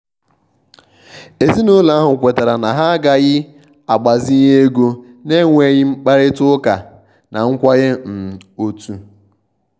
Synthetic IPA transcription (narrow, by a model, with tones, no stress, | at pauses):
e˨zi˦nʊ˦la˦a˦ɦʊ˨kʷe˨ta˨ɾa˨na˨ɦa˦ɡa˨ɣɪ˦ | a˨ɡ͡ba˨zi˦ɦe˦ɡo˦ne˦ŋʷe˨ɣɪ˦ŋ͡m̩˦k͡pa˦ɾɪ˦tʊ˦ka˨ | na˨ŋ̩˦kʷa˦ɣe˦m̩˨o˦tu˨